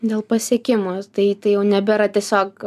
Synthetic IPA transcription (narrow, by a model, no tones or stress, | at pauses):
d̪ʲeːlˠpɐsʲiɛkʲɪmoːt̪ɐɪt̪ɐɪjɛʊnʲɛbʲɛɾɐtʲiɛsʲoːk